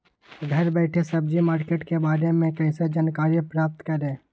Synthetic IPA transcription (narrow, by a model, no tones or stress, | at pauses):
ɡʱɐɾbɛːʈʰesɐb̚d͡ʒimaːɾkeːʈkebaːɾemẽkɐɪ̃sed͡ʒaːnkaːɾipɾaːp̚t̪kɐɾẽː